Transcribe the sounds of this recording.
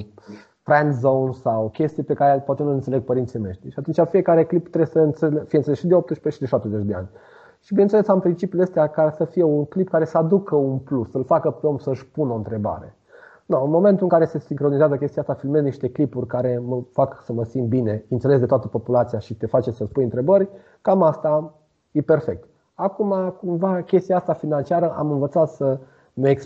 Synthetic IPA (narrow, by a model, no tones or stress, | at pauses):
fɾɛnd̪zownsawkʲe̞st̪ijpe̞kaɾepoat̪enulɨnt̪sele̞ɡ̚pəɾint̪sijmeʃt̪iʃiat̪unt͡ʃʲafije̞kaɾe̞klipt̪ɾebsəɨnt̪selfijent̪selesʃid̪eo̞p̚t̪əʃpeʃid̪eʃap̚t̪ezet͡ʃd̪e̞a̰nʲ | ʃibinent̪selesampɾint͡ʃipjuleest̪eakasəfije̞unklip̚kaɾe̞səad̪ukəunplusːəlfakəpeo̞msəɨʃpunoɨnt̪ɾe̞ba̰ɾe̞̰ | nəɨnmo̞me̞nt̪uɨŋkaɾesesiŋkɾo̞nizeazəkʲe̞st̪ijast̪afilmezniʃt̪e̞klipurʲkaɾe̞məfaksəməsimt̪̚bine̞ɨnt̪se̞lesd̪et̪at̪əpo̞pulat̪siaʃit̪e̞fat͡ʃe̞səspujɨnt̪ɾe̞bərʲ | kamast̪a | jepe̞rfe̞k̚t̪ | akumakumvakʲe̞st̪ijaast̪afinant͡ʃiaɾəʔa̰mɨnvət̪sat̪sə | neeks